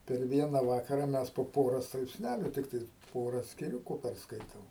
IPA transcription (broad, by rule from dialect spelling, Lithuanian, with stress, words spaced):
pʲɛr ˈʋʲiɛnɐ ˈʋɑːkɐrɐ ˈmʲɛs poː ˈpoːrɐ strɐɪpʲsʲˈnʲælʲʊ ˈtʲɪktɐɪs ˈpoːrɐ sʲkʲɪˈrʲʊkʊ pʲɛrsˈkɐɪtoːm